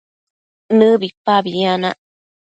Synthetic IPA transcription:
nɨbipːabianaʔ

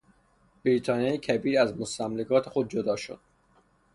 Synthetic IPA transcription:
b̥ɾiːt̪ʰɒːnijɒjcʰæbiːɾæzmost̪æmlekʰɒːt̪ʰexod̪̚d͡ʒod̪ɒːʃo̰d̪̥

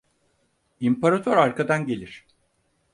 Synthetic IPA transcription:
impʰaɾat̪ʰoɾaɾkʰad̪anɟe̞lʲiɾ̥

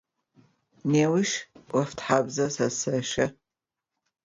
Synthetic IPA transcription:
neːwɪʃʔʷɐftħaːbzɐsɐsɐʃɐ

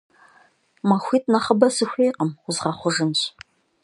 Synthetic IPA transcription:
mɐxʷiːt̚nɐχəbɐsɨxʷejqəmʊzʁɐχʷʊʒɨnɕ

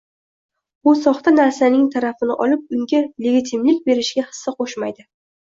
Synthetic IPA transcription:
bʊsɒχt̪ʰanaɾsanɪŋt̪ʰaɾafɪnɪʔɒlɪp̚ʊŋɡʲale̞ɡʲit̪ʰɪmlɪkʲbe̞ɾɪʃɡʲahɨ̥sːaqʰoʃmajd̪ɪ

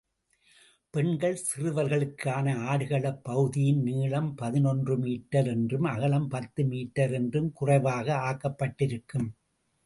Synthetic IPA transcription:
pɛɳɡɐɭsɪrɯʋɐɾɣɐɭɯkʰːaːnɐaːɽɯɣɐɭɐpːɐɣɯðɪjɪnniːɭɐmpɐðɪnɔndrɯmiːʈːɐɾɛndrɯmɐɣɐɭɐmpɐt̪ːɯmiːʈːɐɾɛndrɯmkʊrɐɪʋaːɣɐaːkːɐpːɐʈːɪɾɯkːɯm

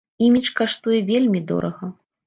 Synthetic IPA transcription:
imʲit͡ʂkaʂt̪ujɛvʲelʲmʲid̪ɔ̰ɾɐɣɐ

